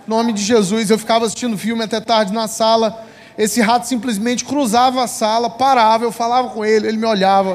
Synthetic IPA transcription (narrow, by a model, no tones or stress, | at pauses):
nõmɪd͡ʒɪʒezus̬ewfi̥kavɐasi̥ʃt͡ʃĩnd̪ʊfiwmɪat̪ɛt̪aɾd͡ʒɪnɐsalɐ | esɪɦat̪ʊ̥sĩmplizmẽnt͡ʃɪ̥kɾuzavɐasalɐpaɾavɐewfalavɐkõelɪelɪmɪoʎavɐ